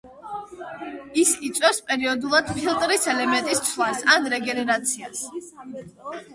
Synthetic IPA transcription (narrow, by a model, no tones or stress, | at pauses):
isit̪sʼwɛfspʼɛɾiɔd̪ulˠad̪̥pʰilˠt̪ʼɾisɛlɛmɛ̃nt̪ʼist̪sʰlˠasanɾɛɡɛnɛɾat̪sʰias